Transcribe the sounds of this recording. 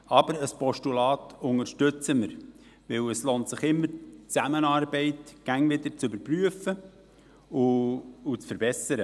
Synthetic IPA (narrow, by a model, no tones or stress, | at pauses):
ɑb̥əɾəspɔʃtulɑːtʊŋəʃtʏt͡səməɾ | ʋɪwəsloːntsɪχɪmːəɾt͡sæmənɑːɾbɛɪtɡ̥æŋvɪd̪əɾt͡sʏbəɾpryəfə | ʊʊt͡sfəɾb̥ɛsəɾə